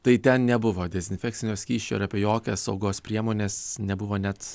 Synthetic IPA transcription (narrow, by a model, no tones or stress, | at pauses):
t̪ɐɪt̪ʲɛnnʲɛbʊʋoːd̪ʲɛzʲɪnʲfʲɛk̚tsʲɪnʲoːsʲkʲiːʃʲt͡ʃʲoːɪɾɐpʲeɛjoːkʲɛsɐʊɡoːspʲɾʲiɛmoːnʲeːsnʲɛbʊʋoːnʲɛt̪